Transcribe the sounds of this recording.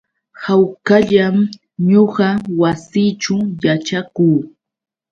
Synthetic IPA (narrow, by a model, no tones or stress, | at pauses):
hawkaʎam | ɲoɢɑwasiːt͡ʃʊjaʈ͡ʂakuː